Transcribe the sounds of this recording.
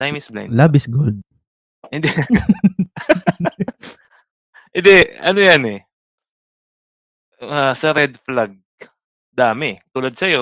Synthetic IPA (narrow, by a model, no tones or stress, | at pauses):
t̪ajmɪsbla̰jlabɪsɡʊld̪̚ | ɪnd̪ɛ | ʔɪnd̪ɛɐnojanɛ | asɛɾɛd̪̚flaɡ̚ | d̪aːmɛt̪uːlɐd̪̚sɐjo̞